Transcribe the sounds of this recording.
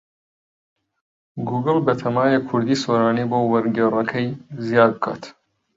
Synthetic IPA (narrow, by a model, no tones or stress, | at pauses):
ɡuɡəlbɐt̪ʰɐmaːjekʰuɾd̪isoɾaːnibowɐɾɡʲeɾɐkʰɐjzjaːɡ̚kʰa̰ːt̪ʰ